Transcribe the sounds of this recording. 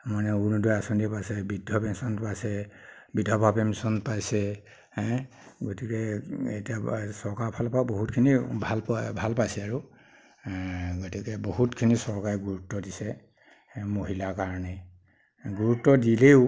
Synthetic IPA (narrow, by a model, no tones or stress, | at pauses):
manɛunudɔasɔndipajsɛbidʱɔpɛnsɔnpajsɛbidʱɔbʱapemsɔnpajsɛ | ɛ | ɡotikɛetiasɔɹkaɹpʰalpaboɦutkʰinibʱalbʱalpajsɛaɹu | ɡotikɛboɦutkʰinisɔɹkaɹɡuɹutːɔdisɛ | moɦilakaɹɔnɛ | ɡuɹutːɔdileʊ